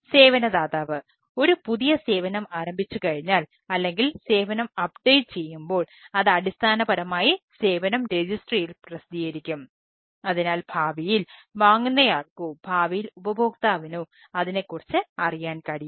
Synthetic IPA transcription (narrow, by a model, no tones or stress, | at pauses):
se̞ːʋɐnɐd̪aːðaːʋɨ | o̞ɾupuðijɐse̞ːʋɐnɐmaːɾɐmbʱit͡ɕːukɐɻiɲːaːl | ɐlːe̞ŋɡilse̞ːʋɐnɐmɐpɖejʈt͡ɕe̞jːumbo̞ːɭɐðɐɽist̪ʰaːnɐbɐɾɐmaːjise̞ːʋɐnɐmɾed͡ʑisʈrijilprɐsid̪ʱijɐɾikʲːum | ɐðinaːlbʱaːʋijilʋaːŋːunːɐjaːɭkubʱaːʋijilubɐbʱo̞ːk̚t̪aːʋinu | ɐðine̞kːurit͡ɕːɨɐrijaːnkɐɽi